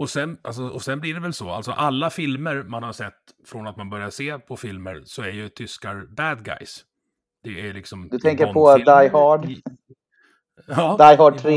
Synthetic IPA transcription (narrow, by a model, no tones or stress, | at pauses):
ɔsɛnʔals̬ɔɔsɛnblɪɖɛvɛlsɔa̰lt̪sɔ̰ʔalːafɪlməɾmanhaɾʂɛt̪ːfɾɔnat̪̚manbœɾjaseːpʰɔfɪlmə̰ɾsɔæɾjɵt̪ʰʏskaɾbæd̪ɡa̰js | d̪̥ɛælɪksɔmd̪ɵt̪ʰɛŋkəɾpʰɔd̪ajhɑɖ | ɑːd̪ajɦɑɖ̚ʰɾe